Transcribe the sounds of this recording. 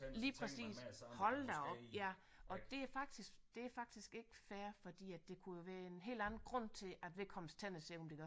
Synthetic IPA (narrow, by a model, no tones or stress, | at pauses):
liːpʰʁɛsḭːshɒ̽ld̥æɒ̽b̥jæ | ʔɒ̽d̥e̝æɐfɑ̈ɡ̥̚d̥isɡ̥d̥e̝æɐfɑ̈ɡ̥̚d̥isɡ̥e̝ɡ̥əfæːɐfɒ̽d̥ḭːæd̥ːe̝kʰujo̝ʋæːɐe̝nɦe̝̰ːld̥ænn̩ɡ̥ʁɔ̽n̰t͡sʰe̝æd̥ʋe̝lkʰɒ̽məst͡sʰenəse̝̰ɒ̽md̥e̝ɡ̥